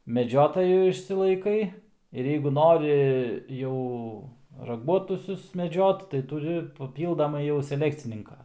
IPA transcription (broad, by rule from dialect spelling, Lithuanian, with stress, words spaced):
mʲɛˈd͡ʒʲoːtoːjuː ɪʃʲsʲɪlˠɐɪˈkɐɪ ɪr jɛɪɡʊ ˈnoːrʲɪ ˈjɛʊ rɐˈɡuɔtʊsʲʊs mʲɛˈd͡ʒʲoːt tɐɪ tʊˈrʲɪ pɐˈpʲiːlˠdɐmɐɪ jɛʊ sʲɛˈlʲæːkt͡sʲɪnʲɪŋkɐ